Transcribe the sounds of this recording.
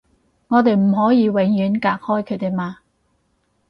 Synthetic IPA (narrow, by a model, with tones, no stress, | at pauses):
ŋɔː˨˧t̪e˨jm̩˨˩ɦɔː˨˥jiː˨˧we˨˥ŋjyː˨˥nkaː˨˧k̚hɔː˥jkʰɵ˨˧ɥt̪e˨jmaː˧